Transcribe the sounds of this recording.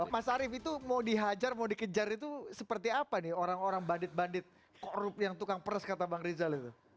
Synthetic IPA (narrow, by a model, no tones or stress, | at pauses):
masaɾɪfit̪umadiɦad͡ʒarmaodikəd͡ʒaɾit̪usəpərt̪iapanɪoɾaŋoɾaŋbandɪt̪̚bandɪt̪̚ | koɾʊp̚jaŋt̪ukaŋpəɾəskat̪abaŋɾizalit̪u